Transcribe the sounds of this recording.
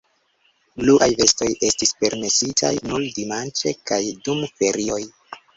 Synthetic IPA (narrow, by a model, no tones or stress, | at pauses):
bluʔajve̞sto̞je̞stispe̞ɾme̞sitʰa̰jnuldimant͡ʃe̞kajdumfe̞ɾio̞j